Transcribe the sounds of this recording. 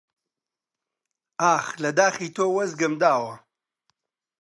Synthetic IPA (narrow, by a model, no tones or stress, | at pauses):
aːxlɐd̪aːχit̪ʰoːwɐzɡɐmd̪aːwɐ